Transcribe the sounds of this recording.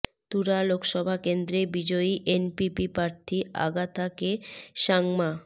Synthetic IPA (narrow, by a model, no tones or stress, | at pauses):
t̪uɾalokʰʃɔbʱakend̪ɾebid͡ʑoiʔenpipipɾaɾt̪ʰia̰ɡat̪ʰakeʃaŋma